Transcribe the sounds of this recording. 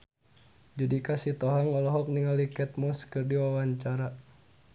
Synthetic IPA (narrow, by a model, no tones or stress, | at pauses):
d͡ʒudikasit̪ɔɦaŋɔlɔɦɔk̚niŋalikɛt̪̚mɔskɨrdiwawaɲt͡ʃaɾa